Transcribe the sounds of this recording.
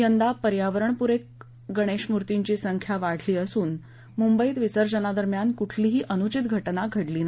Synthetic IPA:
jənd̪apəɾjaʋəɾəɳpuɾek̚ | ɡəɽ̃eɕmuɾt̪iɲt͡ɕiːsəŋkʰjaʋaɽ̤liːəsuːn | mumbəiːt̪ʋisəɾd͡ʑənad̪əɾmjankuʈʰliːɦiːʔənut͡ɕit̪ɡʱəʈnaɡʱəɽliːna

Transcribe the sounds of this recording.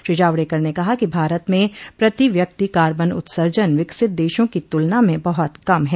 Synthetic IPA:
ʃɪd͡ʒaːʋɽekɐɾnekɐɦakibʱaːɾət̪mẽpɾɐt̪iʋjɐk̚t̪ikaːɾbənʊ̰t̪səɾd͡ʒənʋɪksɪt̪̚d̪eːʃõkit̪ʊlnamẽbɐɦɔt̪kɐmɦɛː

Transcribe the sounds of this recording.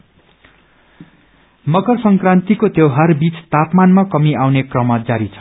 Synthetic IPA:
mʌkʌrsʌŋkrãnt̪ikot̪jewɦarbit͡st̪apmanmakʌmiawnekrʌmʌd͡zaɾit͡sʰʌ̥

